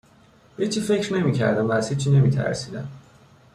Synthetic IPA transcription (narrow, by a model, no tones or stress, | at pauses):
hit͡ʃʰifecɾnemicʰæ̰ɾd̪imvæsit͡ʃʰinemit̪ʰæ̰ɾsid̪æm